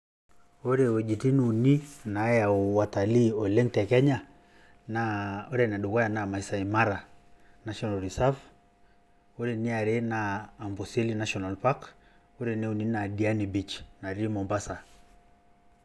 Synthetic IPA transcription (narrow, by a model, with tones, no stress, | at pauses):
o˦ɾe˨wɛ˨d͡ʒi˨ti˦nu˨ni˦na˨˦ja˨u˨wa˨ta˨li˦ɔ˨lɛ˦ntɛ˨kɛ˦ɲa˦˨ | naɔ˦ɾɛ˨na˨ɗu˨kwa˦ja˨na˨ma˨i˨sa˨i˨ma˦ɾa˨ | na˨ʃɔ˦na˨lɾi˨sa˦f | o˦ɾe˨ni˦a˨ɾe˦naː˨mbɔ˨se˦li˦na˦ʃɔna˨lpa˦k | o˦ɾe˨ni˦u˨ni˦na˨di˨a˦ni˨bi˨t͡ʃna˨ɾi˦mɔ˨mba˦sa˨